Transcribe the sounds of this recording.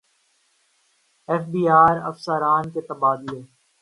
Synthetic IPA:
ɛːfbiːaːɾɐ̰fsəɾaːnket̪ɐbaːd̪ɪleː

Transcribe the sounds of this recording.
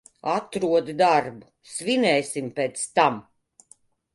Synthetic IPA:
at̪ɾuɔd̪d̪aɾbu | svinɛjsʲimpʲɛːt̪st̪am

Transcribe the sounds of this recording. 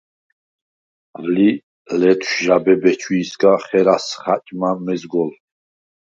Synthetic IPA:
vli | lɛt̪ʰwʃʒabɛbɛt͡ʃʰwiːsɡaχɛɾasχat͡ʃʼmamɛzɡɔl

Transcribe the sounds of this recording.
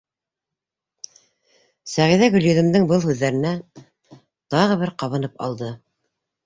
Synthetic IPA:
sæʁiðæɡɵ̆lʲjɵ̆ðɘ̆md̪ɘŋbɤlˠhʉðːæɾɘ̆næ | t̪ɑʁɤ̆βɘɾqɑβɤ̆nɤpɑ̰lˠd̪ɤ

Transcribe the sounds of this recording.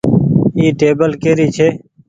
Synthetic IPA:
iːʈeːbəlkeːɾiːt͡ʃʰeː

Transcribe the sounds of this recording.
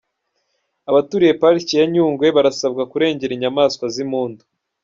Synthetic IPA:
aβatuɾije̞paɾicijaɲuːŋɡwe̞βaɾasab̚ɡakuɾe̞ːɲɟe̞ɾiɲamaːskwazimuːndu̥

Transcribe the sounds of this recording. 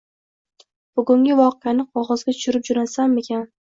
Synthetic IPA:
b̥ʊɡʊŋɡʲɪvɒqeanɪqʰɒʁɒzɡʲat̪ʰʊ̥ʃʊɾɪp̚d͡ʒʊɾasame̞kʲʰan

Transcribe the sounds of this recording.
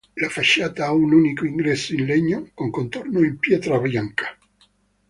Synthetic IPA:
lafaʃːaːt̪aaununikoiŋɡɾɛsːoinlɛɲːokoŋkont̪ornoimpjɛt̪ɾabɾjaŋkḁ

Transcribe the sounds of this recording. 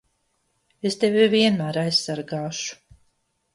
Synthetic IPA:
est̪evʲiviɛnmæːɾajsːaɾɡaːʃu̥

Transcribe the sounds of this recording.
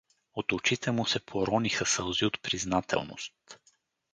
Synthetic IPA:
ot̪ot͡ʃit̪ɛmʊsɛpʰoɾɔnixəsəlˠziot̪pɾiznat̪ʰɛ̰lˠno̰st̪

